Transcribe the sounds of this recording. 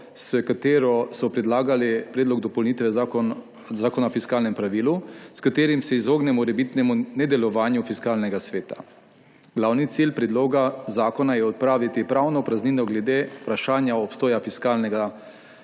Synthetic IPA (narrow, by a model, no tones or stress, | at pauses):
səkat̪eːɾɔsɔpɾɛd̪laːɡalipɾɛːd̪lɔɡd̪ɔpɔlniːt̪ʋɛ | zaːkɔnaɔfiskaːlnɛmpɾaʋiːluskat̪eːɾimsɛizoːɡnɛmɔɾɛbit̪nɛmunɛd̪ɛlɔʋaːnjufiskaːlnɛɡasʋeːt̪a̰ | ɡ̥laːwnit̪silpɾɛd̪loːɡazaːkɔnajɛɔt̪̚pɾaːʋit̪ipɾaːwnɔpɾazniːnɔɡlɛd̪eːpɾaʃaːnjaɔpst̪oːjafiskaːlnɛɡa